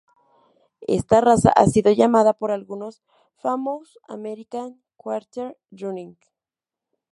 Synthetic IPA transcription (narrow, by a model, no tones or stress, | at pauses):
ḛst̪arasa̰ʔasiðojamaðapoɾalɣunos | famos | a̰meɾikaŋ | kwaɾt̪eɾ | ɾuniŋk